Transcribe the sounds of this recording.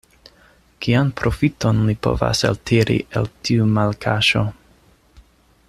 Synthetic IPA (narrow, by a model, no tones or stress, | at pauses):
kianpɾo̞fito̞nlipo̞̰va̰saltʰiɾʔḭʔḛltʰiumalkʰaʃo̞